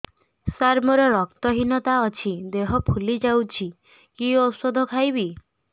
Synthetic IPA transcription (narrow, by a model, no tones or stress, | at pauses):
saɾmɔɾɔɾɔk̚t̪ɔɦinɔt̪aɔt͡ʃʰid̪eɦɔpʰulid͡ʒawt͡ʃʰi | kiɔsɔd̪ʱɔkʰajβi